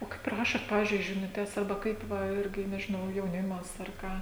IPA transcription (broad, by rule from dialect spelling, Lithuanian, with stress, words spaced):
oː ˈkɐɪp ˈrɑːʃoːt ˈpɑːʋʲɪzʲd͡ʒʲʊɪ ʒʲɪnʊˈtʲɛs ɐrˈbɐ ˈkɐɪp ˈʋɐ ˈɪrʲɡʲɪ nʲɛʒʲɪˈnɐʊ jɛʊˈnʲɪmɐs ɐr ˈkɑː